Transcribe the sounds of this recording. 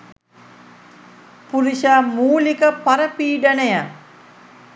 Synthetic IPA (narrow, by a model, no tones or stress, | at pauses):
puɾiʃamuːlikəpaɾəpiːɖənəja